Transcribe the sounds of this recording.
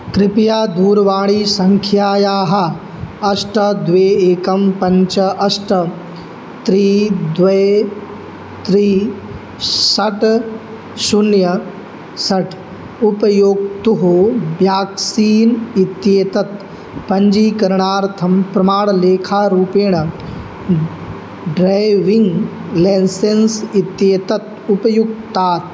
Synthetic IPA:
kɾɪpjaːd̪uːɾʋaːɭiːsɐŋkʰjaːjaːɦɐ̆ | ɐsʈɐd̪ʋeːeːkɐmpɐɲt͡ʃɐʔɐsʈɐ | t̪ɾiːd̪ʋɐj | t̪ɾiː | sɐʈ | sunjɐ | sɐʈ | upɐjoːɡ̚t̪uɦoːbjaːksiːnit̪jeːt̪ɐt̪ | pɐɲd͡ʒiːkɐɾɳaːɾt̪ʰɐmpɾɐmaːɽleːkʰaːɾuːpeːɳɐ | ɖɾajʋiŋɡleːnsensit̪jeːt̪ɐt̪ | upɐjuɡ̚t̪aːt̪

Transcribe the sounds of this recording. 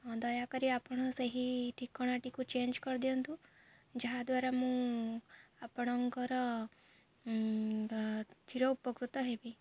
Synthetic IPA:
d̪ɔjakəɾiapəɽ̃ɔseɦiʈʰikːɔɽ̃aʈikũt͡ʃend͡ʒkɔɾd̪iõnt̪ũ | d͡ʒəɦad̪ʋaɾamũ | apɽ̃ɔŋkɔɾɔ | d͡ʒiɾɔupɔkɾut̪ɔɦebi

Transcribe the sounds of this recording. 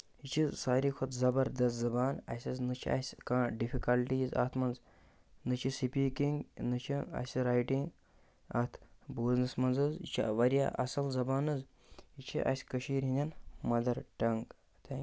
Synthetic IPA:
it͡ʃʰizsaːɾiːkʰɐt̪zɐbɐɾd̪ɐst̪zɐbaːnɐ̰sʲɐznɨt͡ʃʰiɐ̰sʲkãːɖifikɐlʈiːzɐ̰t̪ʰmɐnz | nɨt͡ʃʰisipiːkiŋɡnɨt͡ʃʰiɐ̰sʲiɾaːjʈiŋɡ | ɐ̰t̪ʰboznɐsmɐnzɨzḭt͡ʃʰiʋɐɾja̰ːʔɐ̰sɐlzɐbaːnɨz | it͡ʃʰiʔɐ̰sʲkəʃiːɾɦĩnd̪ʲɐnmɐd̪ɐɾʈɐŋɡ | t̪ʰe

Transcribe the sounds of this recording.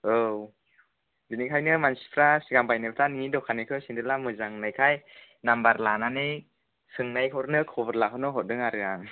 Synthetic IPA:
ɯw | dɯnikʰajnɯmansi̥pʰɾasiɡambajnajpʰtʰannidɔkʰanɯjkʰɯsindʰɯlamɯzaŋnajkʰaj | nambaɾlananɯj | sɯŋnajkʰɔɾnɯkʰɔbɯɾlakɦʰhɯnɔɦɔt̚dɯŋaɾɯaŋ

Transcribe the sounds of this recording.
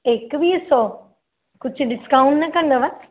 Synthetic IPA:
ekʋiso | kʊd͡ʑɖɪskaːʊ̃ɳʈnɐkɐ̃nd̪oʋɐ

